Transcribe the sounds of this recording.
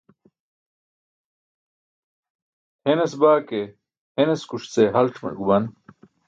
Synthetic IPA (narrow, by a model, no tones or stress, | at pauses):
henɐsbaːke | henɐskuʂt͡seɦɐlʈ͡ʂmɐ̰ɡubɐn